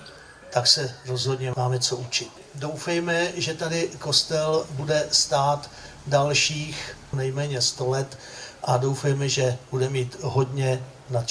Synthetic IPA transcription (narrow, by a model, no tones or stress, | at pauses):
t̪aksɛɾo̞zɦo̞dɲɛmaːmɛt͡so̞ʔut͡ʃɪt̪ | do̞wfɛjmɛʒɛt̪adɪko̞st̪ɛlbudɛst̪aːt̪ | dalʃiːxnɛjmɛːɲɛst̪o̞lɛt̪ | ʔado̞wfɛjmɛʒɛbudɛmiːt̪ɦo̞dɲɛ | nat͡ʃ